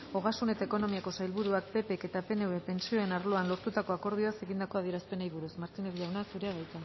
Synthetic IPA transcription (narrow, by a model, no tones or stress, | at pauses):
o̞ɣ̞asune̞t̪ae̞ko̞no̞miako̞sajlβuɾuak̚pe̞peke̞t̪ape̞neβepe̞nt͡sio̞e̞naɾloanlo̞ɾt̪ut̪ako̞ako̞ɾð̞ioase̞ɣind̪ako̞aðieɾaspe̞najβuɾusmaɾt̪ine̞ðʎawnasuɾe̞aɣajt̪a